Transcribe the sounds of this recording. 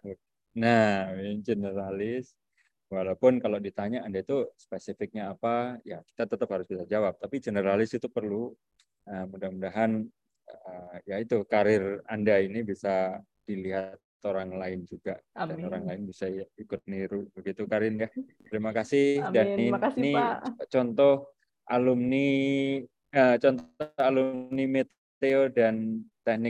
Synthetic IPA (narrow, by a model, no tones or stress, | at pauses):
nad͡ʒənəɾalɪs | walaupʊnkalowdit̪aɲaːndait̪uspesifɪk̚ɲaːpajaki̥t̪at̪ət̪əphaɾʊsbisad͡ʒawap̚t̪apid͡ʒənəɾalɪsit̪upərlu | əmudahmudaɦan | əjait̪ukaɾɪrandainibisa | d̥iliɦat̪ | oɾaŋlaɪnd͡ʒuɡaʔdaoɾaŋlaɪnbisaikʊt̪̚niɾubəɡit̪ukaɾɪnjat̪ɾimakasɪdaninit͡ʃɔnt̪ɔh | ʔalʊmni | ət͡ʃɔnt̪ɔhalʊmnimet̪ | t̪eodant̪ɛhnɪk̚